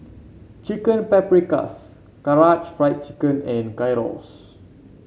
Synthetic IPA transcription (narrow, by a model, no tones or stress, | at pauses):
t͡ʃikə̃npɛpɹika̰s | kaɹat͡ʃfɹajt̚t͡ʃikə̃nɛ̃nkajɹɔ̰s